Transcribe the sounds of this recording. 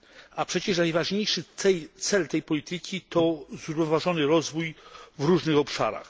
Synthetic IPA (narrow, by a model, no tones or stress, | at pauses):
apʂɛt͡ɕɛʂ̬najvaʐɲejʂɘt̪sɛjt̪sɛlt̪ɛjpɔlʲit̪ɘkʲit̪ɔzɾuvnɔvaʐɔnɘɾɔzvujvɾuʐnɘxɔpʂa̰ɾa̰x